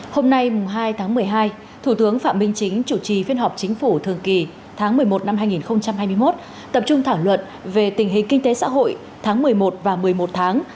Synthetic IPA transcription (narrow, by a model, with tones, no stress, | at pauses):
ho˧mna˧jmʊ˨˩ŋ͡mɦaː˧jt̪ʰaː˨˦ŋmɨ˨˩əjɦaː˧j | t̪ʰu˧˩t̪ɨ˨˦əŋfa̰ː˧˨mï˧ŋ̟t͡ɕï˨˦ŋ̟t͡ɕu˧˩t͡ɕi˨˩fi˧ənɦɔ˨˩p̚t͡ɕï˨˦ŋ̟fu˧˩t̪ʰɨ˨˩əŋki˨˩ | t̪ʰaː˨˦ŋmɨ˨˩əjmo˨˩t̚na˧mɦaː˧jŋi˨˩nxə˧wŋ͡mt͡ɕa˧mhaː˧jmɨ˧jmo˦˥t̚ | t̪ə˨˩p̚t͡ɕʊ˧ŋ͡mt̪ʰaː˧˩wlwə̰˧˨n | ve˨˩t̪ï˨˩ŋ̟ɦï˨˩ŋ̟kï˧ŋ̟t̪e˨˦sa̰ː˧˥ɦo̰˧˨j | t̪ʰaː˨˦ŋmɨ˨˩əjmo˨˩t̚vaː˨˩mɨ˨˩əjmo˨˩t̚t̪ʰaː˨˦ŋ